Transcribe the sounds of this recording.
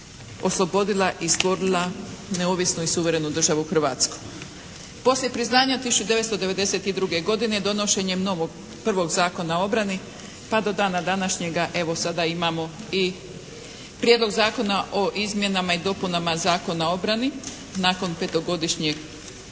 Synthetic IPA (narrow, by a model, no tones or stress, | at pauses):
o̞slˠo̞bo̞d̪ilˠaʔist̪ʋo̞ɾilˠane̞o̞ʋisnuisuʋe̞ɾe̞nud̪r̩ʒaʋuuxr̩ʋat̪sko̥ | po̞slje̞pɾiznaːɲat̪isut͡ʃud̪e̞ʋe̞t̪st̪o̞d̪e̞ʋe̞d̪e̞se̞t̪id̪ɾuɡe̞ɡo̞d̪ined̪o̞no̞ʃe̞ɲemno̞ʋo̞ɡ | pr̩ʋo̞ɡzaːko̞nao̞bɾani | pad̪o̞d̪aːnad̪anaʃɲe̞ɡaʔe̞ʋo̞sad̪aimamo̞i | pɾjed̪lo̞ɡzaːko̞naʔo̞ʔizmje̞namaid̪o̞punamazaːko̞nao̞bɾani | naːko̞npe̞t̪o̞ɡo̞d̪iʃɲeɡ